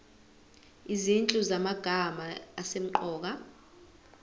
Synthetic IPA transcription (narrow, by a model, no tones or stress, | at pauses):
izint͡ɬʼuzamaɡ̥ʱamaːsem̩ǃɔːk̬a